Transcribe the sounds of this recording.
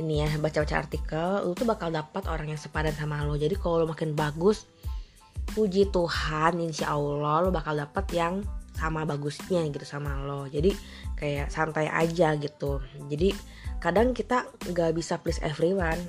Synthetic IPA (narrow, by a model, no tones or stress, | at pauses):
inijabat͡ʃabat͡ʃa̰a̰rt̪ikəllut̪ubakaldapət̪oɾaŋjaŋsəpadansamalɔd͡ʒadikalolomakɪnbaɡʊs | pud͡ʒit̪uhaninisiʔaulɔlobakaldapət̪jaŋsamabaɡʊsɲaɡit̪u̥samalɔhd͡ʒadi | kajaʔsant̪ajʔa̰d͡ʒaɡit̪ud͡ʒadi | kadaŋkit̪aŋɡaʔbisaplɪsɛ̰fɾiwan